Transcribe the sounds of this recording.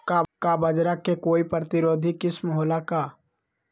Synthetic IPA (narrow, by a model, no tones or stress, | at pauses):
kakabɐd͡ʒɾakekoːipɾət̪ɪɾoːd̪ʱikɪsmɦoːlakaː